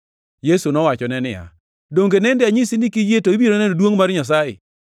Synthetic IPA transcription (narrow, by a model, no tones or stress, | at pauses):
jesunɔwat͡ʃɔnɛnɪja̰ | doŋɡenɛndɪaɲɪsinɪkijetoibjiɾonɛnodwoŋmaɾɲas̬ajɪ̰